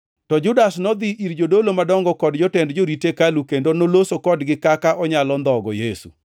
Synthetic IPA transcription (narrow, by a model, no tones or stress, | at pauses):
tɔd͡ʒʊdasnɔd̪iʔiɾd͡ʒodolomadɔŋɡɔkɔdd͡ʒɔtɛndd͡ʒoɾitekalukendonolosokɔdɡɪkakaʔɔɲalɔnd̪ɔɡɔjesṵ